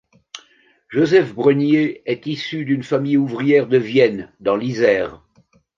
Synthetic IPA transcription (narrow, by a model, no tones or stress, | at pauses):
ʒozɛfbʁənjeɛt̪isyd̪ynfamijuvʁijɛʁd̪əvjɛnd̪ɑ̃lizɛːʁ